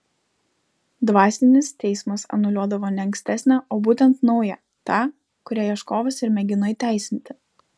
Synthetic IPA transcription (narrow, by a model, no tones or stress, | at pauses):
d̪ʋɑːsʲɪnʲɪst̪ʲɛɪsmɐsɐ̰nʊlʲuɔd̪ɐʋoːnʲɛɐŋksʲt̪ʲæsʲnʲæʔoːbuːt̪ʲɛnt̪nɒʊjɛ | t̪ɑː | kʊɾʲæːjiɛʃkoːʋɐsɪɾmʲɛɡʲɪnoiːt̪ʲæˑɪsʲɪnʲt̪ʲɪ